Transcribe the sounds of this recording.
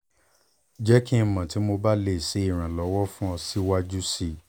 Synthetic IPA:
d͡ʒɛ˦ki˦˧mã˨ti˨˦mo˧ba˦le˦˨se˨˦i˦˨ɾ̃ã˨lɔ˨˦wɔ˦fũ˦ɔ̃˧si˦wa˦d͡ʒu˦si˦˨

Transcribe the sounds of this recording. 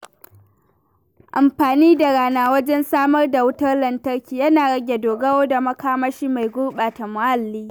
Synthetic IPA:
ʔa˨mɸaː˨niː˦da˨ɽaː˦naː˦wɐ˦d͡ʒɛ˦nsaː˦mɐ˦rda˨wʊ˦tɐ˦rlɐ˨ntɐ˦rkʲiː˨jɐ˦naː˨ɽɐ˦ɡʲe˨doː˨ɡɐ˦woː˦da˨mɐ˦kaː˦mɐ˦ʃiː˦ma˨jɡʷʊ˦rɓaː˨ta˨mʊ˨ʔa˦lːiː˦

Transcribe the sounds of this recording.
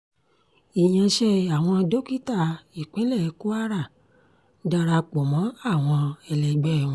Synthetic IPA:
i˨j̃ã˧ʃɛ˧a˨w̃ɔ̃˧do˦ki˦ta˦˨i˨k͡pɛ˨˦lɛ˦˨˧ku˦a˦˨ɾa˦˨ | da˧ɾa˧k͡pɔ˨mɔ̃˨˦a˦˨w̃ɔ̃˧ɛ˧lɛ˨ɡ͡bɛ˦˨ũ˧

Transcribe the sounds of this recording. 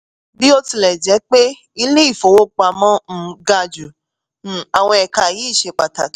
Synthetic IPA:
bi˨˦o˧ti˧lɛ˨d͡ʒɛ˨˦k͡pe˦ | i˧le˦i˦˨fo˨wo˦k͡pa˧˨mɔ̃˦m̩˨˦ɡa˦˧d͡ʒũ˨ | a˨w̃ɔ̃˧ɛ˨ka˨ji˨˦˨ʃe˧k͡pa˨ta˨

